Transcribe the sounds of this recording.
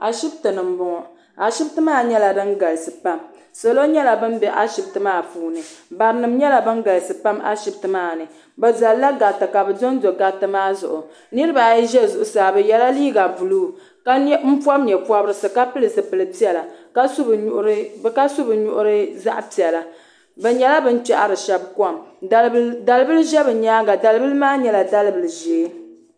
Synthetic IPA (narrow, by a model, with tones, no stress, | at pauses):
ʔa˨ʃi˦btɨ˨nɨ˨m˦bʊ˦ŋɔ˨ | a˨ʃi˦btɨ˦maː˦˨ɲɛ˦la˨dɨ˦ŋɡa˨lsɨ˨pa˦m | so˨lo˦ɲɛ˦la˨bɨ˦m˦bɛ˦ʔa̰˦ʃi˨b̚tɨ˨maː˦˨puː˨nɨ˨ba˨ɾɨ˦nɨ˨mɲɛ˦la˨bɨ˦nɡa˨lsɨ˨pa˦ma̰˦ʃi˨btɨ˨maː˦˨nɨ˨ | bɛ˨za˨lla˦ɡa˨tɨ˨ka˨bɨ˨do˦n˦do˨ɡa˨tɨ˦maː˦zʊ̰˨ʔʊ˨ | nɨ˦ɾɨ˦ba˨ji˦ʒɛ˦zʊ˨ʔʊ˨saː˨bɨ˦jɛ˦la˦liː˦ɡa˨bu˨luː˦˨ | ka˦m̩˦pa˦bɲɛ˨pa˦bɾɨ˦sɨ˨ka˦pɨ˦lɨ˨sɨ˨pɨ˨lɨ˨pi˦ɛ˨la˨ka˦sʔka˦sʊ˦bɨ˨ɲʊ̰˦ʔʊ˦ɾɨ˦za̰˦ʔpi˨ɛ˨la˨ | bɛ˨ɲɛ˦la˦bɨ˦n˦t͡ʃa˦˨ʔa˨ɾɨ˨ʃɛ˦bkɔ˦˨m | da˨lɨ˦bɨ˦lɨ˦ʒɛ˦bɨ˨ɲaː˦ɡa˨da˨lɨ˦bɨ˦lɨ˦maː˦ɲɛ˦la˨da˦lɨ˦bɨ˨lɨ˨ʒe˨˦